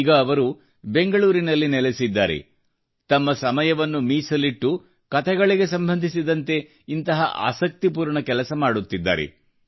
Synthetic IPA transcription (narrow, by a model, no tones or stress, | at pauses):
ɡɐːʋɐɾu | be̞ŋɡɐɭuːɾinɐlːinɛlesid̪ːa̰ːɾḛ | t̪ɐmːɐsɐmɐjɐʋɐnːumiːsɐliʈːu | kɐt̪ʰɛɡɐɭiɡe̞sɐmbʱɐnd̪ʱisid̪ɐnt̪e̞ | int̪ɐɦɐ̰ʔa̰ːsɐk̚t̪ip̬uːɾɳɐkɛlɐsɐmaːɽut̪ːid̪ːa̰ːɾḛ